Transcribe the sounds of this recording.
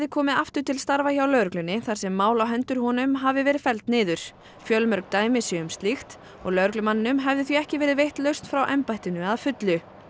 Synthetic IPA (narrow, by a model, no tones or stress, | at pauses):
ɛðɪkʰɔːmɪðaft̪ʏɾt̪ʰɪlst̪aɾvaçawlœɾklʏnːɪθaɾ̥sɛmːaːwlawɦɛnt̪ʏɾ̥hɔnʏmɦavɪvɛːɾɪðfɛlt̪nɪːðʏɾ̥ | fjœlmœɾk̚t̪aːjmɪsjœʏmst̪lixt̪ | ɔ̰ɣlœɥɾklʏmanːɪnʏmɦɛvðɪθiɛhcɪvɛːɾɪðvejht̪lœɥst̪fɾawʔɛmpajht̪ɪnʏaðfʏt̪lʏ